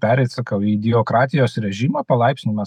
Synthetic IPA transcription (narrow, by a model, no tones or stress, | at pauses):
pʲæːɾʲɛɪt̪sɐkɐʊiːd̪ʲɪoːkɾɑːt̪ʲɪjoːsɾʲɛʒʲimɐːpɐlˠɐɪpʲsʲnʲɪmɐ